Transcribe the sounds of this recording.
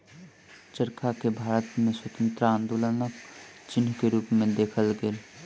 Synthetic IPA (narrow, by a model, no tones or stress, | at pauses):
t͡ʃəɾkʰakebʱaːɾət̪mẽswət̪ə̃nt̪ɾəãnd̪oːlənəkt͡ʃɪnkeɾuːpmẽd̪eːkʰəlɡeːl